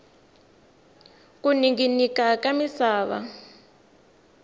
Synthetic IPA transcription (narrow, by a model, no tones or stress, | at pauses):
kuniŋɡinikakamisaːβa̰